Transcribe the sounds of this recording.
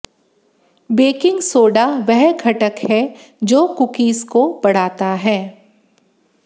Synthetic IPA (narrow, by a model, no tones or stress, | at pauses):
beːkɪ̃ŋɡsoːɖaʋɛɦkʰɐʈəkhɛ | d͡ʒoːkʊkiːskobɐɽ̤aːt̪aɦɛː